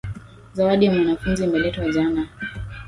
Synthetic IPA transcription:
zawaɗijamwanafunzimɛlɛtwwaʄana

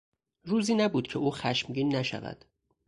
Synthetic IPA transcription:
ruːziːnæbuːd̪̥̚cʰeʔuːxæʃmɟiːnːæʃæ̰væ̰d̪̥

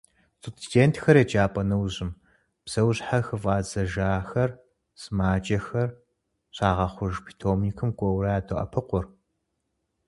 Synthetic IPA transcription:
tʼʊttʰeːntʰxɐɾed͡ʒaːpʼɐnɐwʑɪm | psɐwɕħaxɨvaːzɐʒaːxɐr | sɨmaːt͡ʃʼɐxɐr | ɕʼaːʁɐχʷʊʒpʰi̥tʰoːmiːkʰɨmkʷʼɔwɾaːdoʔɐ̰pʰɨqʷʊr

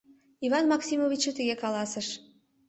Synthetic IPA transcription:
ivɑnmɑksimovʲit͡ɕət̪əɣekɑlɑsəʃ

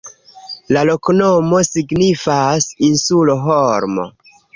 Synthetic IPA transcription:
lalo̞knomo̞siɡnifasinsuloɦoɾmo̰

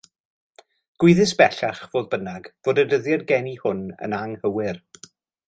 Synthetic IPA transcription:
ɡ̥wʊɨðɪsb̥ɛɬaχvoːðbənaɡv̥oːdədəðjadɡɛnihʊnə̰naŋhəwɪr

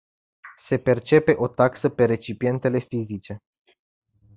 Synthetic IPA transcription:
se̞pe̞rt͡ʃe̞pe̞ʔo̞t̪aksəpe̞ɾe̞t͡ʃipie̞nt̪e̞le̞fizit͡ʃe̞

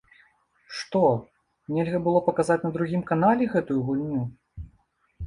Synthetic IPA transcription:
ʂt̪ɔ | nʲɛlʲɣɐbɨlˠɔpɐkazat͡sʲnɐd̪ɾuɣʲimkanalʲɛɣɛt̪ujuɣulʲnʲu

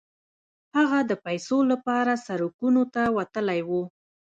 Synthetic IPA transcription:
haɣad̪əpajsolapɑɾasaɾukunot̪awat̪əlajwu

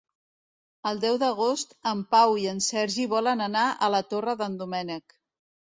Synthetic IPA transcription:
əlˠd̪ɛwðəɣost̪əmpawiənsɛɾʒiβɔlənənaʔə̰lət̪orəðənd̪umɛnək

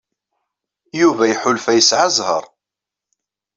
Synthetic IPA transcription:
juvæjħʊlfæjəsʕazˤhə̰ɾˤ

